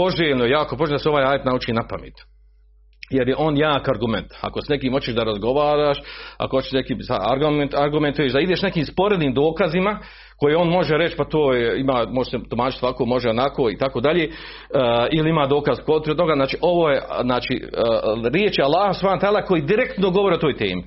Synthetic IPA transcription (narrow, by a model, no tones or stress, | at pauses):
po̞ʒeːʎnojjaːkopoʒelnʲd̪aseo̞ʋaːjaːjet̪nauːt͡ʃiːnapa̰mḭːt̪ | jeɾjeʔo̞ːnjaːkaɾɡument̪a̰ko̞snekiːmho̞t͡ɕeʃd̪aɾazɡo̞ʋaːɾaːʃa̰kohot͡ɕeʃnekiːmsa̰aɾɡaɾɡument̪ujeːʃd̪aid̪eʃne̞kiːmspo̞ɾed̪niːmd̪o̞ːkazima | ko̞jeːo̞ːnmo̞ʒeɾet͡ʃpat̪oːjeimaːmo̞ʒeset̪umaːt͡ʃit̪ʋakoːmo̞ʒeonakoːit̪akoːd̪aʎeː | iliimaːd̪o̞ːkazkot̪ɾet̪o̞ɡaznaːt͡ʃiːʔo̞ʋoːjeznaːt͡ʃḭ | ɾjeːt͡ʃalːaːhasupʰanot̪aːlaːko̞jiːd̪iɾekt̪noɡoʋo̞ɾiot̪oːjt̪ḛːmi